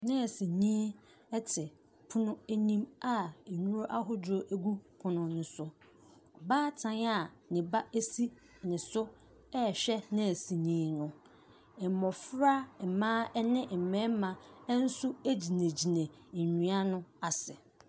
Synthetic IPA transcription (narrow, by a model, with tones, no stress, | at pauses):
nɪ̃˦˨si˨ɲĩ˦ | ɛ˦tʰɪ˨ | pʰʊ˦nʊ̃˦æ˦nĩ˦ma˦e˨ɲũ˦ɾo˦ʔa˦ɦɔ˦d͡ʑo˦ʔæ˦ɡu˦pʰʊ̃˨nʊ̃˨n̩˦sʊ˦ | baː˦tʰã˨na˦˨ | nɪ̃˨ba˦e˦si˦ | nɪ̃˨sʊ˦ | ɛ˦˨ɕᶣɛ˦nɪ̃˦˨si˨ɲĩː˦nʊ̃˦ | ɛ˨mɔ̃˨fɾa˦˨mãː˦ɛ˦nɪ̃˦m̩˨mɛ̃˦mã˨˦n̩˦su˦æ˦d͡ʑi˨nẽ˨d͡ʑi˨nẽ˨ | ɲᶣũ˨a˦nʊ̃˦a˨sɪ˨